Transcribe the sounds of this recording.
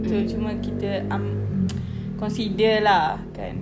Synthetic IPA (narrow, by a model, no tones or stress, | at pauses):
t̪ot͡ʃumə̃kit̪əʔam | kɔnsidərlahka̰n